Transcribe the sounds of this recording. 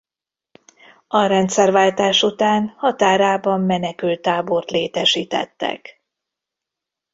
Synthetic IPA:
ʔɒɾɛnt̪sɛrvaːlt̪aːʃut̪aːnhɒt̪aːɾaːbɒmːɛnɛkylt̪aːbo̞rt̪leːt̪ɛʃiːt̪ɛ̰t̪ːɛ̰k

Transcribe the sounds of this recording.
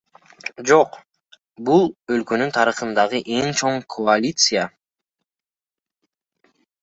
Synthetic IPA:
d͡ʒo̞q | bulˠø̞lkø̞nynt̪ʰɑɾɯχɯnd̪ɑʁɯʔe̞ŋt͡ʃʰo̞ɴkʰoalʲit̪sɨja

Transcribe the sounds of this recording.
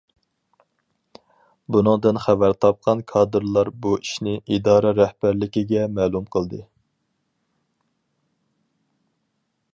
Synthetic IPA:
bunɨŋd̪ɨnχævæɾt̪ʰɑp̚qʰɑnkʰɑːd̪ɨɾlˠɑɾbuiʃnɪʔid̪ɑːɾɑɾɛhb̥æɾlɪkʲɪɡʲɛmɛːlˠumqʰəlˠd̪ɨ

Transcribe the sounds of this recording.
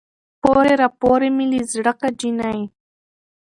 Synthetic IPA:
poɾeɾapoɾemilizɽəkad͡ʒinaj

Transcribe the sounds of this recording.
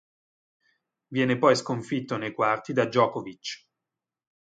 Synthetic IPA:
vjɛːnepɔjskoɱfit̪ːonejkwart̪id̪ad͡ʒːɔːkovit͡ʃː

